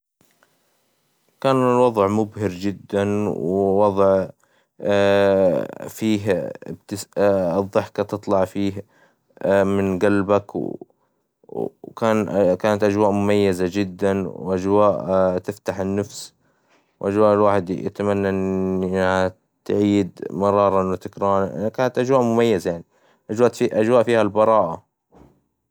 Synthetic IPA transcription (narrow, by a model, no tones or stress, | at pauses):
kaːnɪlwɑðˤʕmʊbhɪɾd͡ʒɪd̪ːanwwɑðˤʕ | fiːɦɪbt̪ɪsðˤːɨħkat̪ɨt̪ˤlɑʕfiːh | mɪnɡalbak | kaːnkaːnat̪ʔad͡ʒwaːʔmʊmajːazad͡ʒɪd̪ːanwʔad͡ʒwaːʔt̪ɪft̪aħɪnːafs | wʔad͡ʒwaːʔɪlwaːħɪd̪ja̰t̪amanːaʔɪnɪnha | t̪ʕiːd̪mɑɾˤɑːɾˤɑnwɪt̪ɪkɾˤɑːnʔkaːnat̪ʔad͡ʒwaːʔmʊmajːazajaʕni | ʔad͡ʒwaːʔiʔad͡ʒwaːʔfiːhalbɑɾˤɑːʔa